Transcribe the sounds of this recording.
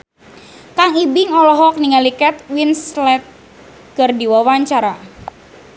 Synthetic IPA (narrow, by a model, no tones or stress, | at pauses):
kaŋibɪŋɔlɔɦɔk̚niŋalikɛt̪̚winslɛt̪̚ | ɡ̥ərdiwawaɲt͡ʃaɾa